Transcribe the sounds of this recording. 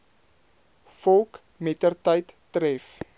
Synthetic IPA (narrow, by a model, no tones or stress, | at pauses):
fɔlˠk | mɛtərtəjtːɾɛf